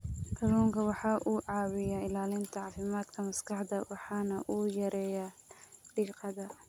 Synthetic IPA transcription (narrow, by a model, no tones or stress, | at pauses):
ʔɐluːŋkʰɐwɑħɑːʔuːʕɑːwɪjɐɪlaːlɪnt̪ʰɐʕɑːfɪmaːd̪kʰɐmɐskʰɑħd̪ɐwɑħɑːnɐʔuːjɐɾɛːjaɖiːqɑðɐ